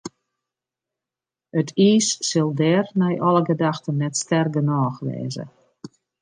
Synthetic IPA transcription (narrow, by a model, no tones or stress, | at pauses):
ətʰiːsːɪlˠdɛːrnɛjʔɔləɡədaxtənːɛtstɛrɡənɔːxʋɛ̰ːzə̰